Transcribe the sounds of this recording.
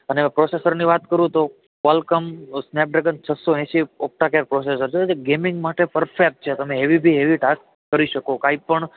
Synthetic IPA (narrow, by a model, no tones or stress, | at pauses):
ənepɾosesəɾniʋat̪kəɾũt̪o | kalkəmsnep̚ɖɾekənt͡ʃʰəsoɛ̃ʃiok̚ʈakeɾpɾoses̬əɾt͡ʃʰed͡ʒeɡemɪŋɡmaʈepəɾfek̚ʈ̚t͡ʃʰet̪əmẽeʋibʱiɦeʋiʈaskːəɾiʃəkokaipəɳ